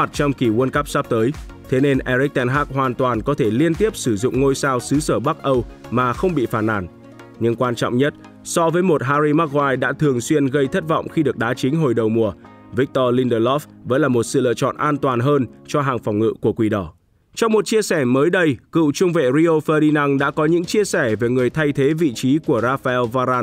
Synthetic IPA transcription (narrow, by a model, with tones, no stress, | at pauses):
a˨˩t̚t͡ɕɔ˧wŋ͡mki˧˩wnkə˦˥p̚sa˦˥p̚t̪əː˨˦j | t̪ʰe˨˦ne˧nʔɛ˧ɾi˦˥k̚t̪ɛ˧nɦaː˦˥k̚hɦwaː˨˩nt̪waː˨˩nkɔ˨˦t̪ʰe˧˩li˧ənt̪i˦˥əp̚sɨ˧˩zʊ̰˧˨ŋ͡mŋo˧jsaː˧wsɨ˨˦səː˧˩ɓa˦˥k̚ʔə˧wmaː˨˩xə˧wŋ͡mɓḭ˧˨faː˧˩nʔa̰ː˧˩n | ɲɨ˧ŋkwaː˧nt͡ɕɔ̰˧˨wŋ͡mɲə˦˥t̚ | sɔ˧vəː˨˦jmo˨˩t̚ɦaː˧ɾi˧ma˦˥k̚waː˧jɗa̰ː˧˥t̪ʰɨ˨˩əŋswi˧ənɣə˧jt̪ʰə˦˥t̚vɔ̰˧˨wŋ͡mxi˧ɗɨ˨˩ək̚ɗaː˨˦t͡ɕï˨˦ŋ̟ɦo˨˩jɗə˨˩wmu˨˩ə | vi˦˥k̚t̪ɔ˧li˧nɗə˧lɔ˦˥f | və̰˧˥nlaː˨˩mo˨˩t̚sɨ̰˧˨lɨ̰˧˨t͡ɕɔ̰˧˨nʔaː˧nt̪waː˨˩nɦəː˧nt͡ɕɔ˧ɦaː˨˩ŋfɔ˨˩wŋ͡mŋɨ̰˧˨ku˧˩əkwi˧˩ɗɔ˧˩ | t͡ɕɔ˧wŋ͡mmo˨˩t̚t͡ɕi˧əsɛ˧˩məː˨˦jɗə˧jkɨ̰˧˨wt͡ɕʊ˧ŋ͡mvḛ˧˨ɾi˧o˧fəː˧ɗi˧na˧ŋɗa̰ː˧˥kɔ˨˦ɲɨ̰˧˥ŋt͡ɕi˧əsɛ˧˩ve˨˩ŋɨ˨˩əjt̪ʰa˧jt̪ʰe˨˦vḭ˧˨t͡ɕi˨˦ku˧˩əɾaː˧fa˧ɛ˧lvaː˧ɾaː˧